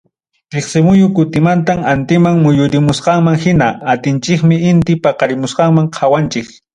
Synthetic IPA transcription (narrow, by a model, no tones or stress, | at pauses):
ɾeχsɪmʊjʊkʊt̪ɪmant̪̬amant̪ɪmaŋmʊjʊɾɪmʊsqɑŋmaŋhɪnaat̪ɪnt͡ʃɪkmɪɪnt̪ɪpɑqɑɾɪmʊsqɑŋmaŋqʰɑwant͡ʃɪk